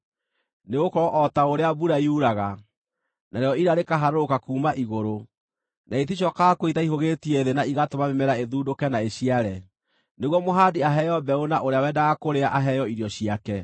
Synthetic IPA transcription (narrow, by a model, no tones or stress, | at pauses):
neɣokɔʔɔtaoɾeabuɾaiuɾaɣa | naɾeɔiɾaɾekaɦaɾookakuːmaʔiɣoɾo | nʔaitiɕɔkakoitaiɦoɣetiɛðenaiɣatomamemɛɾaeðuːdokɛnaeɕiaɾɛ | neɣwɔmoɦadiaɦɛjɔbɛonaʔoɾeawɛdaɣakoɾeaʔaɦɛjɔiɾiɔɕiakɛ